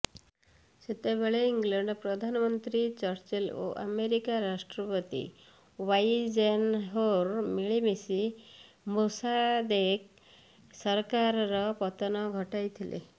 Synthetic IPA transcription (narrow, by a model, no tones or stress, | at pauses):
set̪ebeɭeiŋɡleɳɖpɾɔd̪ʱanmɔnt̪ɾit͡ʃɔɾt͡ʃelo̰ʔa̰meɾikaɾaʂʈɾɔpət̪ḭ | wajd͡ʒenɦoɾmiɭimisi | mosad̪ek̚ | sɔɾkaɾɾɔpɔt̪ɔnɔɡʱɔʈajt̪ʰilʔḛ